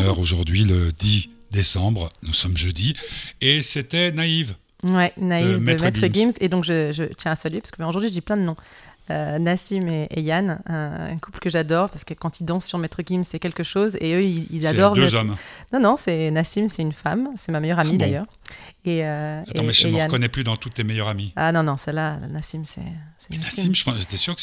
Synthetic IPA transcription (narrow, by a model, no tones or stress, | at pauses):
œʁoʒuʁd̪ɥiləd̪i | d̪esɑ̃bʁnusɔmʒød̪ieset̪ɛnaiv | wɛnaivmɛmɛt̪əɡimsed̪ɔ̃kʒəʒət̪ɥɛ̃ɛ̃salɥepḁskəbɛ̃oʒuʁd̪ɥiʒəd̪iplɛ̃d̪ənɔ̃ønasimeejanɛ̃ɛ̰̃kupləkəʒad̪ɔʁpaʁskəkɑ̃t̪ild̪ɑ̃sːyʁmɛt̪χəɡʲimssɛkʲɛlkəʃozeøiizad̪ɔʁd̪zɔmnɔ̃nɔ̃sɛnasimsɛynfamsɛmamejœʁamid̪ajœːʁeøaeɔ̃mɛʒəankɔnɛplyd̪ɑ̃t̪ut̪ːemejœʁamianɔ̃nɔ̃sɛla̰nasimsɛ̰sɛ̥nasiməpɑ̃ʒet̪ɛsyʁk